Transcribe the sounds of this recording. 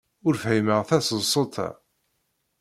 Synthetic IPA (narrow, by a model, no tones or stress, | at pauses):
ʊɾfhiməʁθæsəsˤot̪ʰˤæ̰